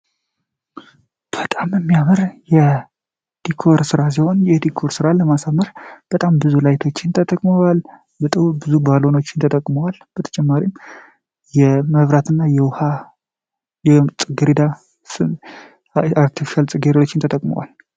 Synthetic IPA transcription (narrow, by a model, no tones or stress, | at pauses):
b̥ət̪ʼamɛmːijamɨɾjɛ | d̪̥ikʰo̞ɾsɨɾas̬iho̞njɛd̪ikʰo̞ɾsɨɾaləmasaməɾb̥ət̪ʼambɨzulajt̪ʰo̞t͡ʃːɪnt̪ʰət̪ʼəkʼməwal | bɨt̪ʼɨbɨzubalo̞no̞t͡ʃːɪnt̪ʰət̪ʼəkʼməwalb̥ət̪ʰə̥t͡ʃʼɛmːaɾim | jɛməβɾat̪ʰɨnːajɛwha | jɛt͡sʼɨɡɨɾid̪a | aɾt̪ʰifi̥ʃalt͡sʼɨɡeɾot͡ʃːɪnt̪ʰət̪ʼəkʼmə̰wa̰l